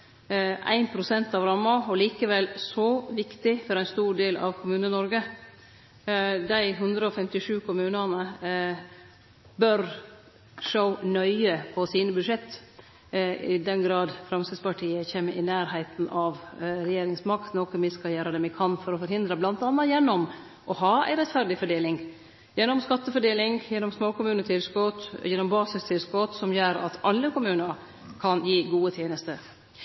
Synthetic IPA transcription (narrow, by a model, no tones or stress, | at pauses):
ʔæ̰ɪnpʰɾʊsɛnt̪ɑʋɾɑmːɑɔliːkəʋɛlsɔʋɪkt̪ɪfɔɾæɪnst̪uːɖeːlɑ̰ʋkʰʊmʉːnənɔɾɡə | d̪æɪɦʉnd̪ɾəɔfɛmt̪ɪʂʉːkʰʊmʉːnənə | bœɾ | ʂəʊnœʏəpʰɔsiːnəbʉd̪ʂɛt̪ː | ɪd̪ɛnɡɾɑːd̪fɾɑmsəspʰɑʈʰiːəçeːməʔɪnæːɾɦæɪt̪nɑʋɾɛjeːɾɪŋsmɑkt̪noːkəmɪskɑjøːɾəd̪ɛmɪkʰɑnːfɔɾɔfɔɾhɪnd̪ɾəblɑnt̪ɑnːɑjɛnːɔm | ʔɔhɑːæ̰ɪɾɛt̪fæɾɖ̪ɪfɔɖeːlɪŋ | jɛnːɔmskɑt̪ːəfɔɖeːlɪŋjɛnːɔmsmoːkʊmʉːnət̪ʰɪlskɔt̪jɛnːɔmbɑːsɪst̪ʰɪlskot̪sɔmjøːɾɑ̰t̪ʰɑlːəkʊmʉːnəɾ | kʰɑnjiːɡuːət̪ʰjeːnəst̪ə